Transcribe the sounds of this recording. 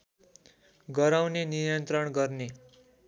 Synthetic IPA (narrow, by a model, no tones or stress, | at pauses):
ɡʌɾawnenijʌnt̪rʌɳɡʌrne